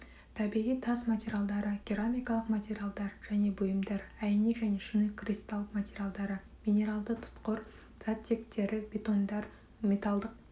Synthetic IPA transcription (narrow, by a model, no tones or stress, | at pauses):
t̪ʰɑbiʁijt̪ʰɑsmat̪ʲeɾʲjalˠd̪ɑɾəɡʲiɾamʲijkɑlˠəqmat̪ʲe̞ɾʲjalˠd̪ɑɾʒ̥æne̞bʊjəmd̪ɑɾæjnekʒæne̞ʃinekrʲist̪ɑlˠəqmat̪ʲeɾʲijalˠd̪ɑɾə | mʲinʲe̞ɾalˠd̪ət̪ʰʊ̥t̪qəɾ | z̥at̪ʲʰːe̞k̚t̪e̞ɾɪbʲe̞t̪o̞nd̪ɑɾ | mʲe̞t̪ɑlˠd̪əq̚